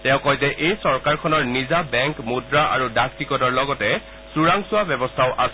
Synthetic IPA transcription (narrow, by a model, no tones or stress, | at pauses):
tɛ̃ʊ̃kɔjzɛʔejsɔɹkaɹkʰɔnɔɹnizabɛŋkmudɹaʔa̰ɹudak̚tikɔdɔɹlɔɡɔtɛ | suɹaŋsʊabjɛbɔstʰaʊʔas